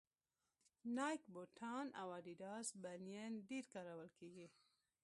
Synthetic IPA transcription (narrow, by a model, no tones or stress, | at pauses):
nɑjkboʈʰɑna̰waɖiɖɑsbanijenɖiɾkaɾawəlkeɡi